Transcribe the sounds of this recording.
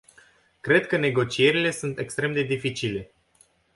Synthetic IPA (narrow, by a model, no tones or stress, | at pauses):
kɾe̞d̪kəne̞ɡo̞t͡ʃie̞ɾile̞sunt̪e̞kst̪ɾe̞md̪e̞d̪ifit͡ʃile̞